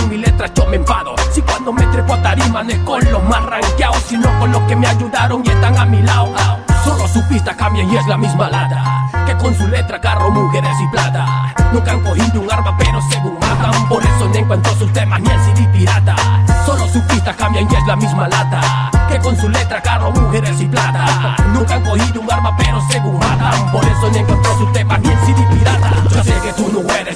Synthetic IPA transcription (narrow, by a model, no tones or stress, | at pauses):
milet̪ɾat͡ʃomeɱfaðosikwand̪o̞met̪ɾepot̪aɾimanekonllomasraŋkjaosinoko̞nlo̞kemeaʝuðaɾo̞ŋiest̪aŋamilaohaoso̞losupist̪akambjaŋiezlamizmalat̪akeko̞nsulet̪ɾakaromuxeɾes̬iplat̪anũŋkaŋkohid̪uŋaɾmapeɾoseɣuɾaðapoɾesonẽŋkwant̪osust̪emanjɛlsiðipiɾat̪asonosupist̪akamjaɲɛzlamizmalat̪a | kekonsulent̪ɾakaromuɣeɾesiplat̪a | nũŋkaŋkohid̪uŋaɾmapeɾoseɣuɾaðapoɾesonẽŋkwãnt̪osust̪emanensiβipiɾat̪aseket̪unõŋɛɾes